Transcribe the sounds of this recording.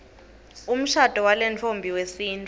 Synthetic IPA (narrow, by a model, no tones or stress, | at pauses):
um̩ʃatʼɔwalɛnt͡fʰombʱiwesiːntʰʼ